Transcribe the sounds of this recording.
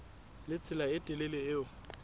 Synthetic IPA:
lɪt͡sʰɪlaɪtʼɪlɪlɪɪʊ

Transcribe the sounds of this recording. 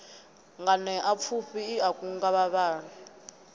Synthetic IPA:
ŋɡanɛʔap̪fʰuɸiːakʼuŋɡaβaβaːni

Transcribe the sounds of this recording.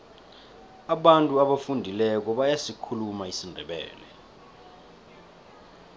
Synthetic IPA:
aɓantʼuaɓafundʱilɛk̬ɔɓajasikʰulumaisindʱɛɓɛ̰ːlɛ

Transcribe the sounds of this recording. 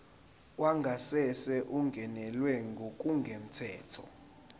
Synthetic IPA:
waŋɡʱasɛsɛʔuŋɡʱɛnɛlwɛŋɡʱokʼuŋɡʱem̩tʰɛːtʰɔ̰

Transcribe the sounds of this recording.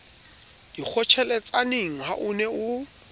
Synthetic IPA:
d̥ik͡xʰɔt͡ʃʰɛlɛt͡sʼaneŋ̩ɦaʔʊnɛʊ

